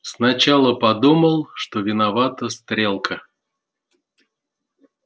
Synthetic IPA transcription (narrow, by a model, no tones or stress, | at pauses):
snat͡ɕalˠəpɐd̪uməlˠʂt̪ovʲɪnavat̪əst̪ɾʲelˠkʰə